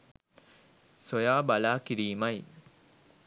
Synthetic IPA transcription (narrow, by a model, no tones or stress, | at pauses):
sojaːbalaːkiɾiːmɐj